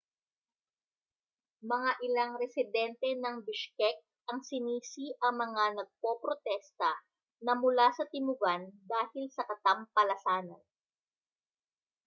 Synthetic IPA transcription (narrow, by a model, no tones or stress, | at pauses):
mɐŋaʔɪlaŋɾɛsɪd̪ɛnt̪ɛnɐŋbɪʃkɛk̚ | ʔɐŋsɪniːsiʔɐŋmɐŋanɐɡ̚popɾot̪ɛst̪ɐ | nɐmʊlasɐt̪ɪmʊɡand̪aːhɪlsɐkɐt̪ɐmpɐlɐsaːnɐn